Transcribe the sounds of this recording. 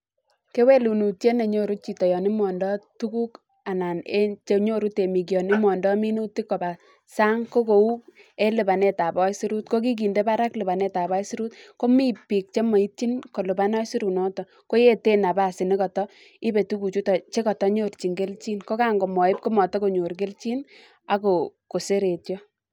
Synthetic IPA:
ke˦we˦lu˨nu˨tje˦ne˨ɲo˦ɾu˦t͡ʃi˨tɔ˨jɔ˨ni˦mɔ˨ndɔ˦tu˦ku˦k | a˨na˨ne˦t͡ʃe˨˦ɲo˦ɾu˦te˨mi˨k̬jɔ˨ni˦mɔ˨ndɔ˦mi˦nu˦ti˦kːɔ˨a˨ | sa˦ŋko˦ko˨u˦k | e˦lɪ˨pa˨ne˦ta˨bɔ˦jsi˦ɾu˦t̚ko˦k̬i˦k̬i˨nde˦pa˦ɾa˦klɪ˨ba˨ne˦ta˨bɔ˦jsi˦ɾu˦t̚ko˦mi˦pi˨k̚t͡ʃe˦mɔ˨i˦tt͡ʃi˦nko˨lɪ˨ba˦nɔ˦jsi˦ɾu˨nɔ˦tɔ˨ | ko˦je˦te˦na˨ba˨sɪ˨ne˦kɔ˨tɔ˦ | i˦be˨tu˦ku˨t͡ʃu˦tɔ˨t͡ʃe˦kɔ˨tɔ˦ɲo˦rt͡ʃi˨ŋɡe˦lt͡ʃi˦nko˦ka˦ŋɡo˨mɔ˨ɪ˦p̚ko˦mɔ˨tɔ˦ko˨ɲo˨ɾk̬e˦lt͡ʃi˦n | a˨˦ko˨ko˨se˦ɾe˨tjɔ˦

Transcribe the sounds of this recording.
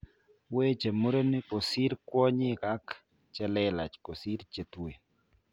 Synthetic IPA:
we˦t͡ʃe˨mu˦ɾo˦nɪ˦ko˨si˦ɾkwɔ˦ɲɪ˦ka˦k | t͡ʃɛ˦lɛ˦la˨t͡ʃko˨si˦ɾt͡ʃe˨t̪we˨

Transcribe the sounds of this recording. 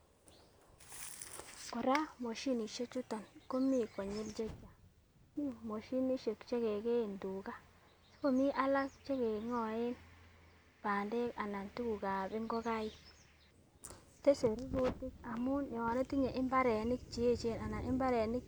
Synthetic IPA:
ko˨ɾa˦mo˨ʃi˦ni˨ʃe˦t͡ʃu˦tɔ˨nko˦mi˦˨ko˨ɲi˦ld͡ʒe˦t͡ʃːa˨˦ | ni˦˨mo˨ʃi˦ni˦ʃe˨kt͡ʃe˦ke˨ke˦i˨ndu˨ka˦ | so̥˦ko˦˨mi˦ʔa˦la˦kt͡ʃe˦ke˨ŋɔ˨e˦n | b̥a˨nde˦ka˨na˨ntu˦ku˨ka˨bɪ˦ŋɡo˦ka˦i˦ | te˦se˨ɾi˦ɡu˦ti˦ka˨mu˦njɔ˨ne˦ti˦ɲe˨ʔɪ˦mba˦ɾe˨ni˦k̚t͡ʃi˨e˦t͡ʃe˦˨na˨na˨ʔɪ˦mba˦ɾe˨ni˦k̚

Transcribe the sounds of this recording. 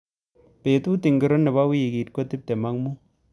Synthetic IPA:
pe˨tu˦ti˨ŋɡi˨ɾɔ˦nːe˨ba˦wi˦ji˨ɡi˨t̚ko˦ti˦p̚te˨ma˦ŋmu˦

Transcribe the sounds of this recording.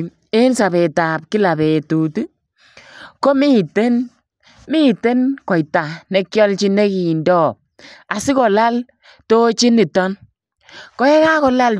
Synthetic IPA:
e˦nsa˨be˨ta˨p̚ki˦la˨be˨tu˨tu˦ | ko˦mi˦te˦n | mi˦˨te˦nkɔ˨jta˨ne˨kjɔ˦lt͡ʃi˦ne˦ki˨ndɔ˦ | a˨si˦kɔ˨la˦l | to˦t͡ʃi˦ni˨tɔ˦n | kɔ˦ɛ˦ka˦kɔ˦la˦l

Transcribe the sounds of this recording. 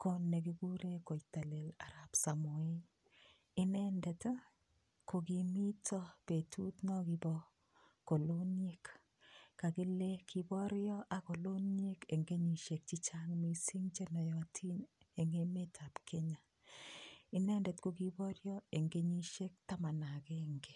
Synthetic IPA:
ko˦nːe˨ɡi˦ɡu˦ɾe˦ko˨jta˨le˨la˨ɾa˨psa˨mo˨i˦ | ɪ˦nɛ˦ndɛ˨t | ko˨ɡi˨mi˦tʰɔ˦pe˨tʰu˦tnɔ˦ɡi˨bɔ˦ | ko˨lo˦ne˦k | ka˨ki˦le˦kʰi˨bɔ˦ɾjɔ˦ʔa˨ko˨lo˦ne˦ke˨ŋɡe˦ɲi˨ʃe˨k̚t͡ʃi˦t͡ʃaŋmi˨si˦ŋt͡ʃe˦nɔ˨jɔtʰi˦ne˨ŋe˦me˦tʰa˨pkʰe˦ɲa˨ | ɪ˦nɛ˦ndɛ˨tkuki˦bɔ˦ɾjɔ˦e˨ŋɡe˦ɲi˦ʃe˦k̚ta˦ma˨na˨keŋɡe˨

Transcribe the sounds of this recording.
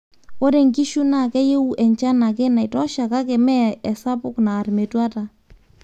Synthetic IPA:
ɔ˦ɾe˨ŋki˦ʃu˦na˨kɛ˦je˦u˦ʔɛ˨ɲt͡ʃa˦na˨ke˦na˨jtɔ˦ʃa˨ka˦kɪ˨mɛ˦ɛ˨sa˦pʊ˦knaː˨rme˨twa˦ta˨

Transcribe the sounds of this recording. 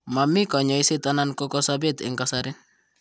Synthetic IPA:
ma˨mɪ˦kɔ˨ɲɔ˨i˦sɪ˦ta˦na˦nkɔ˦kɔ˦sa˦be˦tɪ̰˨ŋka˦saɾɪ˦n

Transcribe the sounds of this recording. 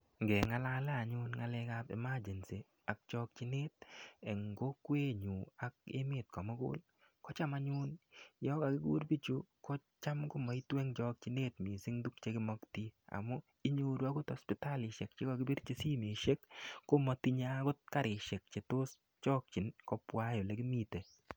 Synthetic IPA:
ŋɡɛ˨ŋa˦la˦lɛ˦a˨ɲʊ˦nŋa˦lɛ˧ka˦pɛ̰˨ma˦d͡ʒe˨nsi˨ | a˨k̚t͡ʃɔ˦k̚t͡ʃi˦neː˦t̚ɛ˨ŋɡo˦kwe˦ɲu˨a˨k̚ḛ˦mɪ˦t̚kɔ˨mɔ˦ɡʊ̰˦l | kɔ˦t͡ʃa˦ma˦ɲʊ˦njɔ˦ka˨kɪ˦ɡṵː˦ɾbi˦t͡ʃu˦kɔ˦t͡ʃa˦mkʊ˦mɔ˨i˦twe˦ŋt͡ʃɔk̚t͡ʃi˦ne˦tmi˨sɪ˦ŋdu˦k̚t͡ʃe˦kɪ˦mɔ˦kti˦a̰˨mɔ˦ | ɪ˦ɲo˦ɾu˦a˦ɡʊ˦tɔ˨spɪ˨ta˦lɪ˨ʃɛ˨kt͡ʃɪ˦kɔ˨ɡɪ˦bɪ˦rt͡ʃe˦si˦me˨ʃe˦kːo˦mɔ˨ti˦ɲa˦ɡʊ˦t̚ka˦ɾɪ˨ʃe˨k̚t͡ʃe˨to˦s | t͡ʃɔ˦k̚t͡ʃi˨nkɔ˦pwa˦jo˨le˦kɪ˦mi˦te˨

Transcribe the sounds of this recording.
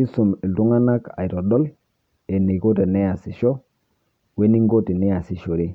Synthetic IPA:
i˦su˨mi˨ltu˦ŋa˦na˦ka̰˨jɾɔ˨dɔ˦l | e˨ne˨ko˦te˨ne˦ja˨si˨ʃɔ˦ | we˦ni˦ŋɡo˦ti˨nɛ˦ja˨si˨ʃo˨ɾe˦

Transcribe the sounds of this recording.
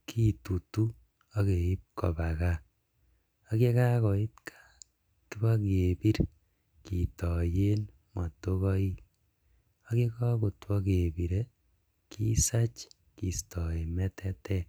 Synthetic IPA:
kʰi˦tu˨tu˦ | o˦ke˨i˦p̚kɔ̰˨ba˨ka˦ | a˦ke˦ka˦kɔ˨i˦tkʰḁ˦ | ki˦ba˦ke˨bi˦ɾ | ki˨tɔ˨je˦n | ma˨to˦kɔ˦i˦ | o˦ke˦kɔ˦ku˨twɔ˦ke˨bi˨ɾe˦ | kʰi˦sa˦t͡ʃ | ki˨stɔ˨e˨mɛ˦tʰɛ˦tɛ˦

